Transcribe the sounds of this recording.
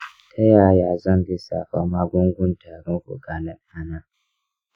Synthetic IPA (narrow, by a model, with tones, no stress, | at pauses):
tʰa˦jaː˦˨jaː˨zɔ˦nbɪ˦sa̰˨ɸa˦ma˦ɡʷʊ˦ŋɡʷʊ˦ntʰaː˨ɾɪ˦ŋkʷʊ̰˨ɡa˨lɪ˦nʔa˦na˦